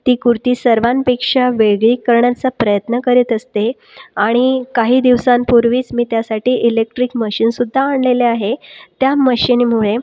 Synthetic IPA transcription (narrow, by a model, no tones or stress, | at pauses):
t̪iːkuɾt̪iːsəɾʋanpekʂaʋeɡɭiːkəɾɳjat͡sapɾəjət̪nəkəɾiːt̪əst̪e | aɽ̃ikaɦiːd̪iʋsãnpuɾʋiːt͡smiːt̪jasaʈʰiːʔilek̚ʈɾikməɕiːnsud̪ʱːaːɳleleaɦet̪jaməɕinimuɭe